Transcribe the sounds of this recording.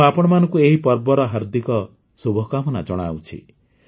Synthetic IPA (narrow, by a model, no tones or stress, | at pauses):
apɔɽ̃ɔmanɔ̃ŋkueɦipɔɾbɔɾɔɦɔɾd̪ikɔ | subʱɔkamɔnad͡ʒɔɽ̃a̰wt͡ʃʰḭ